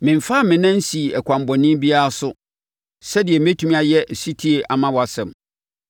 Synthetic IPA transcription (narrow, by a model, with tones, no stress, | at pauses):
mɪ̃˨m̩˨faː˦˨mɪ̃˨nã˦n̩˦si˨ɛ˨kʷʰã˨m˨bɔ˨nɪ̃˦bi˦a˦ɾa˦˨sʊ˦ | sɛ˦dɪ˨ɛ˨m˦e˦tʰũ˦mĩ˦a˨jɛ˦ʔsi˦tʰi˦e˨ʔa˨mã˦wɔ˨a˨sɛ̃˨m